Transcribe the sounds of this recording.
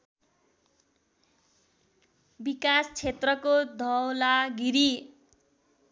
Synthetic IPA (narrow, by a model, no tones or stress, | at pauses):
bikast͡sʰet̪rʌkod̪ʱʌwlaɡiɾi